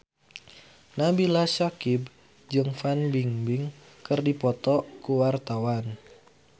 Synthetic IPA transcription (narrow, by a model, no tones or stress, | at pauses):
nabilasakib | d͡ʒɨŋfanbiŋbɪŋ | kərdipɔt̪ɔkuwart̪awan